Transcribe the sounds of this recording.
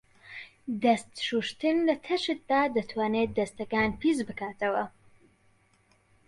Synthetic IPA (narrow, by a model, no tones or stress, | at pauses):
d̪ɐst̪ʃuʃt̪ɨnlɐt̪ʰɐʃɨt̪̚d̪aːd̪at̪ʰwaːned̪ɐst̪ɐɡaːnpizbɨkaːt̪ɐwə